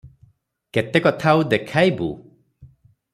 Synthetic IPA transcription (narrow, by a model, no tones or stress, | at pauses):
ket̪ekɔt̪ʰaud̪ekʰajbṵ